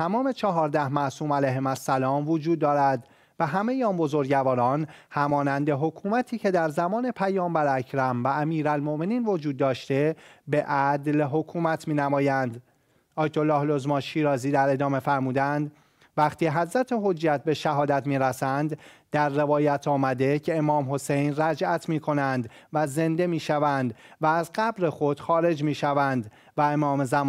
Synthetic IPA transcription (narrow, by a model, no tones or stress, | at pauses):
t̪ʰæmɒːme̞t͡ʃʰɒɦɒːɾd̪æhmæʔsuːmælæjɦemæsːælɒːmvod͡ʒuːd̪ːɒːɾæd̪ | væɦæme̞jiɒːnbo̞zo̞ɾɟævɒːɾɒːnhæmɒːnænd̪e̞ɦo̞kʰuːmæt̪ʰiːcʰe̞d̪æɾzæmɒːne̞pʰæjɒːmbæɾæcʰɾæmvææmiːɾælmo̞ʔme̞niːnvo̞d͡ʒuːd̪ːɒːʃt̪e̞beʔæd̪lɦo̞kʰuːmæt̪ʰmiːnæmɒːjænd̪ | ʔɒːjt̪ʰo̞lːɒːhlo̞zmɒnʃiːɾɒːziːd̪æɾe̞d̪ɒːme̞fæɾmuːd̪ænd̪ | væχt̪ʰiːɦæzɾæt̪ʰeɦo̞d͡ʒːæt̪̚ʰbe̞ʃæɦɒːd̪æt̪ʰmiːɾæsænd̪ː | æɾːe̞vɒːjæt̪ʰɒːmæd̪e̞cʰe̞emɒːmɦo̞sejnræd͡ʒʔæt̪ʰmiːkʰo̞nænd̪ | væze̞nd̪e̞miːʃævænd̪væːzɢæbɾe̞xo̞d̪̥xɒːɾe̞d͡ʒmiːʃævænd̪ | væemɒːmezæmɒ